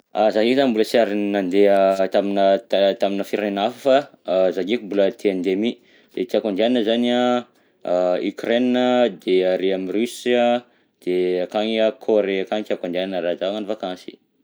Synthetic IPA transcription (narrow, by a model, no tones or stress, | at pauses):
azakikizambuləsiaɾinand̪eət̪aminət̪at̪aminəfiɾanenafufazakikumbulət̪ʰeand̪emi | d̪̥ek̪iakond̪annəzana | y̰kreninəd̪eaɾeamirysiə | d̪̥eakaŋiəkʰoɾeakaŋk̪jakand̪ananəɾad̪aŋanifakãnsi̥̰